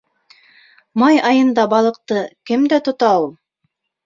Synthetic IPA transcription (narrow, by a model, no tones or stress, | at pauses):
mɑjɑjɤ̆nd̪ɑbɑlˠɤ̆q̚t̪ɤkɘmd̪æt̪ŏt̪ɑulˠ